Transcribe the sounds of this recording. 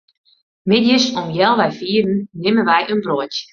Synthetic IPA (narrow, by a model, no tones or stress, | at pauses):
mɪdjəsɔmjɛlˠʋɛjfiədn̩nɪmənʋɛjʔənbrot